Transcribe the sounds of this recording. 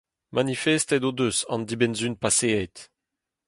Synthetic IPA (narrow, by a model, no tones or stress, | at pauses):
manifɛst̪ɛd̪od̪øsɑ̰̃nd̪ibɛnzynpaseet̪